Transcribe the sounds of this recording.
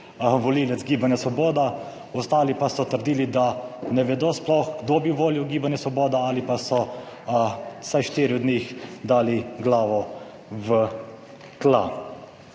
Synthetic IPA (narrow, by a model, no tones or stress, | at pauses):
ʋɔliːlɛt̪zɡiːbanjasʋɔboːd̪a | ɔst̪aːlipasɔt̪əɾd̪iːlid̪anɛʋɛd̪oːsplɔxɡd̪oːbiʋoːljuwɡiːbanjasʋɔboːd̪aalipasɔ | sajʃt̪iːɾiɔd̪niːxd̪aːliɡlaːʋɔ | ʋə | k̪la̰ː